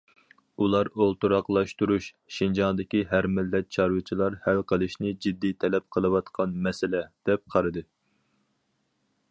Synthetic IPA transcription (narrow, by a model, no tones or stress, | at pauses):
ulˠɑɾolˠt̪uɾɑqlˠɑʃt̪uɾuʃ | ʃind͡ʒɑŋd̪ɪkʲiɦæɾmɪlːɛt̪̚t͡ʃʰɑɾwɨt͡ʃʰilˠɑɾhælqʰəlˠɨʃnɪd͡ʒid̪ːit̪ʰɛlɛp̚qʰəlˠɨwɑt̪qʰɑnmɛsɪlɛd̪̥ɛp̚qʰɑɾɨd̪ɨ